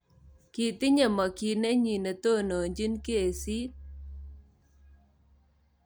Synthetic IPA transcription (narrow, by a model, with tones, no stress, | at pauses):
ki˨t̪ɪ˦ɲe˨mɔ˨ki˨ne˦ɲi˨ne˨t̪o˦˨no˨ɲd͡ʒi˦nke˦˨si˦